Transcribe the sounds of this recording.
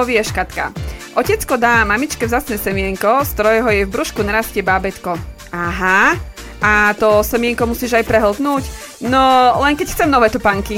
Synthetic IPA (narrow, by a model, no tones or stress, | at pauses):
ɔʋiɛʃkat̪ka̰ʔɔcɛt͡skɔd̪aːmamit͡ʃkɛvzaːt͡snɛːsɛmɪɛŋkɔst̪ɔɾɔjɦɔjɛvbɾuʃkunaɾascɛbabɛt̪kɔ | aɦa | at̪ɔsɛmɪɛŋkɔmusiːʒajpɾɛɦl̩d̪nuːc | nɔlɛŋkɛcxt͡sɛmnɔʋɛːt̪upaŋki